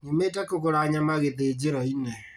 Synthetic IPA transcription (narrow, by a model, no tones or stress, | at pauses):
nimeːtɛkokoɾaɲamaɣeðeːd͡ʒeɾɔinɛ